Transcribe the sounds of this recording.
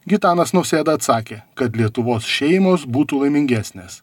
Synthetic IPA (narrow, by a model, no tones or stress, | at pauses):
ɡʲɪt̪ɑːnɐsnɔʊsʲeːd̪ɐɐt̪sɑːkʲeːkɐt̪lʲiɛt̪ʊʋoːsʃʲɛɪmoːsbuːt̪uːlˠɐɪmʲɪŋʲɡʲæːsʲnʲeːs